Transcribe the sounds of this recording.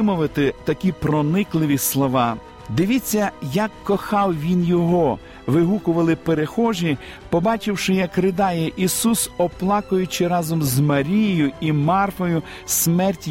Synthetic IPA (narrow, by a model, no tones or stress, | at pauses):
mʊʋɐt̪ɪt̪ɐkʲipɾɔnɪklˠɪʋʲislˠɔʋɑ | d̪ɪʋʲit͡sʲːɐjɐkːɔxɑwʋʲinjɔɦɔ | ʋɪɦukʊʋɐlˠɪpeɾexɔʒi | pɔbɑt͡ʃɪwʃɪjɐkɾɪd̪ɑjɛʔisusɔplˠɑkʊjʊt͡ʃɪɾɑzɔmzmɐɾʲijɪjʊimɑrfɔjʊ | smɛrtʲ